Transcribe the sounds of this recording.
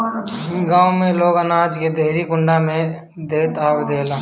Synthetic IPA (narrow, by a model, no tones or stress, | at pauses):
ɡãːwmẽloːɡənaːd͡ʒked̪ʱeːɾikʊɳɖamẽ | d̪eːt̪aːʋd̪eːlãː